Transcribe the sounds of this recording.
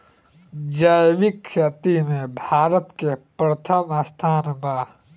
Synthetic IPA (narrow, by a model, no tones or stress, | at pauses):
d͡ʒaːjʋikʰʃat̪imẽbʱaːɾət̪kepɾət̪ʰəmɐst̪ʰaːnbaː